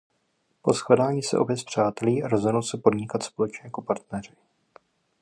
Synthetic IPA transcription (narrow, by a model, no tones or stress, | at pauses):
po̞sxladaːɲiːsɛ̰ʔo̞̰bjɛtspr̝̥aːt̪ɛliːaɾozɛnolsɛpo̞dɲɪkat̪spo̞lɛt͡ʃɲɛjakopaɾt̪nɛr̝ɪ